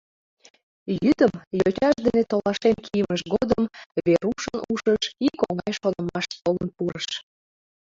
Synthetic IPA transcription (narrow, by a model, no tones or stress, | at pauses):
jyd̪əmjot͡ɕɑʃd̪enet̪olɑʃemkijəməʃɡod̪əmβeɾuʃənuʃəʃikoŋɑjʃonəmɑʃt̪olənpuɾəʃ